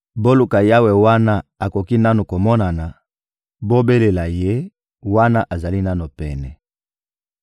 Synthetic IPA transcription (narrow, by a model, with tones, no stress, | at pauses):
bo˦lu˨ka˨ja˦wɛ˨wa˦na˦a˨ko˨ki˦na˦nu˨ko˨mɔ˦na˨na˨ | bo˦be˦le˨la˨je˦ | wa˦na˦ʔa˨za˨li˦na˦no˨pɛ˨nɛ˨